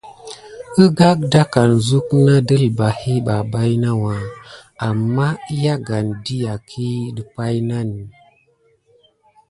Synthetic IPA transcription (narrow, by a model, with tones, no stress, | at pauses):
ə˦ɡa˦k̚da˦ka˨nzu˦kna˦də˦lba˨hi˦ɓa˨ba˦jna˦wa˨a˨mːa˦i˦ja˦ɡa˨ndi˦ja˨kʰi˦də˨pa˦jna˦ni˨